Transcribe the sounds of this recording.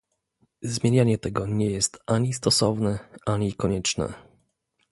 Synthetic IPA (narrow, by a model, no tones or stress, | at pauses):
zmʲjeɲaɲɛt̪ɛɡɔɲɛjɛst̪ʔaɲist̪ɔsɔvnɛʔaɲikɔɲɛt͡ʂnɛ̰